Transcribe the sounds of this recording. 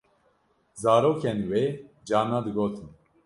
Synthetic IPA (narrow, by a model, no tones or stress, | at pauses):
zaːɾoːkʰɛniwe | d͡ʒaːnad̪ɨɡoːt̪ʰɨn